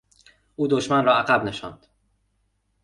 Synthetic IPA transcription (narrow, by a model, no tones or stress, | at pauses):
ʔuːd̪oʃmænrɒːæɣæbne̞ʃɒ̰nd̪̥